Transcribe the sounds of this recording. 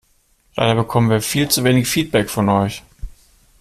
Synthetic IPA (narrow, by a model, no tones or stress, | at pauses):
la̰ɪɾɐbəkʰɔmənviːɐfiːlt͡suveːnɪɡəfiːt̚b̥ɛkfɔnʔɔʏç